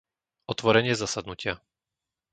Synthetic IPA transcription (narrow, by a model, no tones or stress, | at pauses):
ɔt̪ʋɔɾɛɲɪɛzasad̪nucɪa